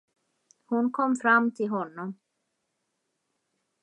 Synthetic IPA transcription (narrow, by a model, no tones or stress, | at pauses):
hʊnkʰɔmːfɾamːt̪ʰɪlɦɔnːɔm